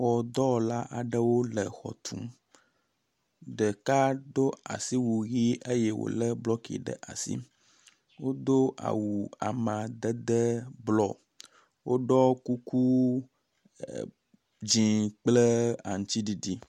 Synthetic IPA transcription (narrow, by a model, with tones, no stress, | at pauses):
wɔ˨d̪ɔ˦˨la˦ʔa˨ɖə˦wo˦lə˨xɔ̰˨t̪ʰṵ̃˦m | ɖə˨ka˦d̪o˦a̰˨si˦wu˨ɣi˦ʔə˦jɛ˦wo̰˨lə˦blɔ˦kḭ˨ɖə̰˨ʔa˨sḭ˦ | wo˦d̪o˦ʔa̰˨wu˨a̰˨mã˨d̪ə˦d̪ə˦blɔ˦˨ | wo˦ɖɔ˦ku˦ku˦ | d͡ʒĩ˨k͡plə˦a̰˨ŋ̩˨t͡ʃi˦ɖi˨ɖi˦